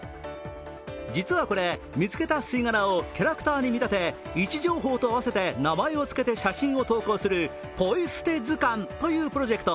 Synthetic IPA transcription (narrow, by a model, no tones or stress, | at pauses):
d͡ʑit͡sɨβako̞ɾe̞ | mʲit͡sɨ̥ke̞t̪asɨiŋanaokʲaɾakɯ̟t̪aːɲ̟imʲit̪at̪e̞ | it͡ɕiʑo̞ːɦo̞ːt̪o̞aβ̞ase̞t̪e̞namaeo̞t͡sɨ̥ke̞t̪e̞ɕaɕĩɰ̃o̞t̪o̞ːko̞ːsɨɾɯ̟ | po̞isɨ̥t̪e̞zɨkãnt̪o̞jɯ̟ːpɯ̟ɾo̞ʑe̞kɯ̟̥t̪o̞